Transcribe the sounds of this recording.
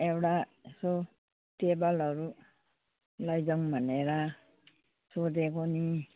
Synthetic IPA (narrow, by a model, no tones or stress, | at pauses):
ewʈaso | t̪ebalɔɾu | lajd͡ʒɔŋbʱaneɾa | sod̪ekoni